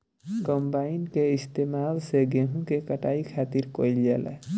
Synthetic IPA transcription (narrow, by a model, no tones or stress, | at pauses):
kəmbainkeist̪emalseɡeɦũkekəʈaikʰat̪iɾkojld͡ʒelɛ̰